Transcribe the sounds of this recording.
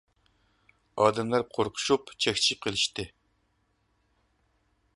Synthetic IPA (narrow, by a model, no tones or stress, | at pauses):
ɑːd̪ɛmlˠæɾqʰoɾqʰʊ̥ʃupt͡ʃʰɛkʲt͡ʃʰi̥qʰəlˠɨʃt̪ɨ